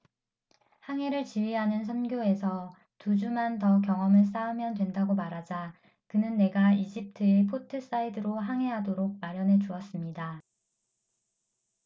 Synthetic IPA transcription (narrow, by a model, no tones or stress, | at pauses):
haŋɦe̞ɾɯɭt͡ɕiɥiɦanɯns̬ʰʌnɡjoe̞sʰʌ | tud͡ʑumantʌkjʌŋʌmɯɭs̬͈aɯmjʌndwe̞ndaɡomaɾɦad͡ʑa | kɯnɯnːe̞ɡaid͡ʑip̚tʰɯepʰotʰɯs͈aidɯɾoɦaŋɦe̞ɦadoɾoɡ̚maɾjʌnɦe̞d͡ʑuʌs͈ɯmɲida